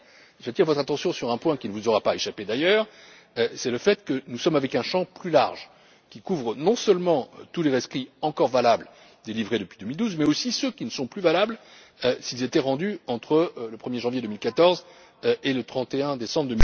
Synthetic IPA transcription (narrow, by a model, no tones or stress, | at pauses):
vat̪iʁvɔt̪χat̪ɑ̃sjɔ̃syʁɛ̃pwɛ̃kʲinəvuzɔʁapaeʃaped̪ajœːʁ | sɛləfɛt̪kənusɔmavɛkɛ̃ʃɑ̃plylaʁʒ | kʲikuvʁənɔ̃sœlmɑ̃t̪uleʁɛskχiɑ̃kɔʁvalabl | d̪elivʁed̪əpɥid̪əmild̪uzmɛosisøkʲinəsɔ̃plyvalabl | øsilzet̪ɛʁɑ̃d̪yɑ̃t̪χələpχəmjeʒɑ̃vjed̪əmilkat̪ɔʁz | ʔelət̪χɑ̃t̪eɛ̃d̪esɑ̃bʁd̪əmi